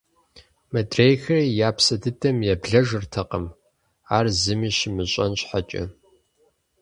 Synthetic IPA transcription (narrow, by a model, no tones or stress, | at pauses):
mɐdrejxɐrijaːpsɐdɨdɐmjɛbɮɐʒɨrtʰɐqəm | aːrzɨmiːɕmɨɕʼɐnɕħat͡ʃʼɐ̰